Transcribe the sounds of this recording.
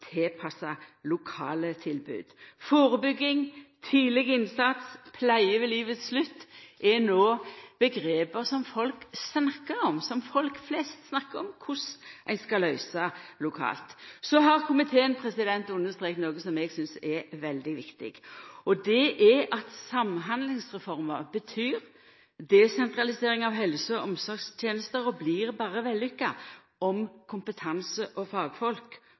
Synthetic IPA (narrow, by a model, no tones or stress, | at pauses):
t̪ʰeːpʰɑsɑlʊkʰɑ̰ːlət̪ʰɪlbʉ̰ːd̪̥foːɾəbʏɡːɪŋt̪ʰiːlɪɡəɪnsɑt̪spʰlæɪəʋɛliːʋət̪sslʉt̪ːʔɛnoːb̥əɡɾeːpəʁsɔmfɔlksnɑkːəɾɔmsɔmfɔlkflɛst̪snɑkːəɾɔmkʰʊsʔæɪnskɑlœʏsɑlʊkʰɑ̰ːlt̪sɔɦɑʁkʰʊmɪt̪ʰeːənpʰɾɛsɪd̪ɛnt̪ʉnːəst̪ɾʁeːkt̪noːɡəsɔmɛɡsʏnsɛʋɛld̪ɪʋɪkt̪ɪ̰ɡɔd̪ɛʔɛʔɑt̪sɑmɦɑnd̪lɪŋsʁɛfɔɾməʁbət̪ʰyːɾ | d̪ɛsɛnt̪ɾɑlɪseːɾɪŋɑʋɦɛlsəɔʔɔmsɔɾɡst̪ʰjeːnəst̪əɾɔbliɾbɑːɾəʋɛlːʏkːɑ | ɔmkʰʊmpət̪ʰɑnsəʔɔfɑːɡfɔlk